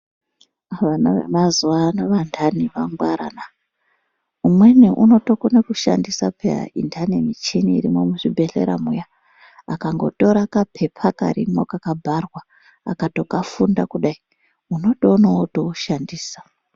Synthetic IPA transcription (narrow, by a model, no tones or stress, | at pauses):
aʋanaʋḛmazuanaʋandʱaniʋaŋɡwaɾa̰na | umwe̞niʔuno̞to̞konekuʃa̰ndisapʰḛḭntʰanemit͡ʃiniːɾimo̞muʂibʱe̞ɬe̞̰ɾa̰muja | akaŋɡo̞̰to̞ɾakapʰe̞pʰaka̰ɾḭmo̞kakabʱarwa̰ː | kato̞kafundakuɗai | uno̞ɗounotouʃandiːsḁ